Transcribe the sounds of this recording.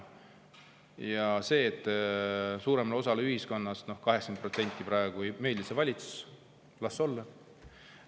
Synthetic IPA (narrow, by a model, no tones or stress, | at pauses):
jɑse̞ːt̪ːˑ | suːɾe̞mɑlo̞sɑleyhisko̞nːɑsno̞hkɑɦeksɑ̥ɡ̥npro̞t̪se̞nʲt̪ʲˑːipɾɑeɡ̥ume̞ːlisevɑlʲit̪su̥s | lɑsːo̞lːɑ